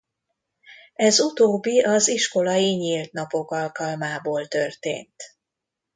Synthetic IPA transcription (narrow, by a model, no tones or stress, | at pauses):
ɛzut̪oːbːiʔɒziʃko̞lɒjiɲilt̪nɒpo̞kɒlkɒlmaːboːlt̪ørt̪ḛːnt̪